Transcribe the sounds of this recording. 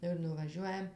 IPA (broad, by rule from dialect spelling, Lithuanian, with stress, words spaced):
ˈɪr nʊʋɐˈʒʲuɔjɛm